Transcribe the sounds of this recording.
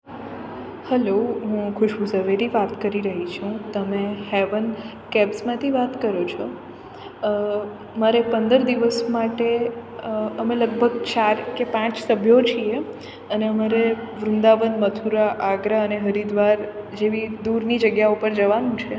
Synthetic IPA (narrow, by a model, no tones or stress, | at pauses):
hɛloɦũkʰʊʃbuzəʋeɾiʋat̪kəɾiɾəɦit͡ʃʰũt̪əmehɛʋən | kɛbsmãt̪ʰiʋat̪kəɾot͡ʃʰo | maɾepənd̪əɾd̪iʋəsmaʈe | əmẽləɡbʱəɡt͡ʃaɾkepãt͡ʃsəbʱjot͡ʃʰie | əneəmaɾeʋɾʊ̃nd̪aʋənmət̪ʰuɾaʔaɡɾaəneɦəɾid̪ʋaɾd͡ʒeʋid̪uɾnid͡ʒəɡjaupəɾd͡ʒəʋanũt͡ʃʰe